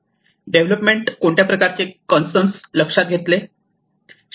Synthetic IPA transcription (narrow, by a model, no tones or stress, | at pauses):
ɖeʋləpmeɳʈkoɳʈ̪japɾəkaɾt͡ɕekənsʈənsləkʂat̪̚ɡʱet̪le | ɕ